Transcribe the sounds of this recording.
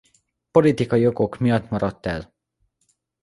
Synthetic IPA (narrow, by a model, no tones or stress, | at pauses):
po̞lit̪ikɒjioɡo̞kmijɒt̪ːmɒɾɒt̪ːɛl